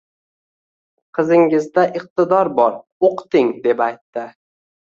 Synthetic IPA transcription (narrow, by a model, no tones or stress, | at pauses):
qʰɨzɪŋɪzd̪aʔɪq̚t̪ɪd̪ɒɾbɒɾ | oqt̪ɪŋd̪e̞pajt̪ːɪ